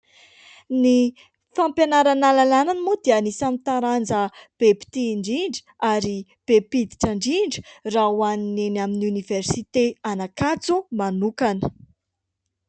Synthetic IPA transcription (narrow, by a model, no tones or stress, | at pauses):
ni | fampjanaɾanalalananimud̪ianisamit̪aɾand͡zəb̥epi̥t̪iɳɖ͡ʐiɳɖ͡ʐə̥ | aɾib̥epid̪i̥ʈ͡ʂaɳɖ͡ʐiɳɖ͡ʐə̥rawaninenaminuniveɾsit̪eanakat͡sumanukanə̥